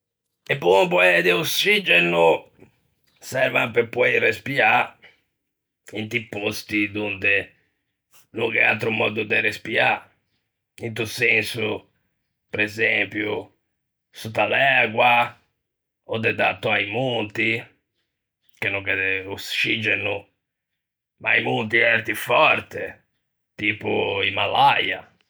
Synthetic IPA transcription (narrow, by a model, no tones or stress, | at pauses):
epːunumpɔɛd̪eosːid͡ʒenu | sɛɾvampepːɔɛrespia | int̪ipːost̪id̪und̪e | nuŋkɛ̰a̰lt̪ɾumɔ̰d̪ud̪eɾespia | int̪̬usɛnsu | pɾɛzempju | sut̪alɛɣwa | ɔd̪ɛd̪at̪ːuaimunt̪i | kenːuŋkɛd̪ɛust͡ʃid͡ʒɛnu | maimunt̪iɛɾt̪ifɔɾt̪e | t̪iːpuimalaja